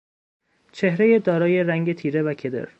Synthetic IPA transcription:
t͡ʃʰe̞hɾejed̪ɒːɾɒːje̞ɾæŋɟet̪ʰiːɾe̞vækʰe̞d̪ḛɾ

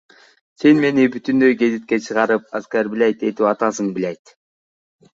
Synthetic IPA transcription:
senme̞nibyt̪ynd̪øjɡe̞zit̪̚ke̞t͡ʃʰɯʁɑɾɯp̚askæɾbilæjt̪e̞t̪iɑt̪ɑs̬ɯŋbilejt̪

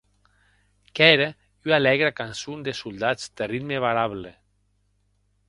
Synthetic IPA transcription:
kɛɾe | yalɛɣɾakansund̪esulˠd̪az̥d̪erid̪meβaɾaβle

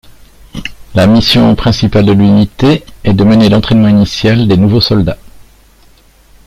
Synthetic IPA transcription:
lamisjɔ̃pχɛ̃sipald̪əlynit̪eɛd̪əmənelɑ̃t̪χɛnmɑ̃inisjald̪enuvosɔld̪a

